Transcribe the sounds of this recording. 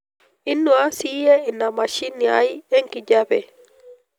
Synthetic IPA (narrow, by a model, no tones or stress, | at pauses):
inːɔasijɛinamaʃinːia̰jɛŋkid͡ʒabɛ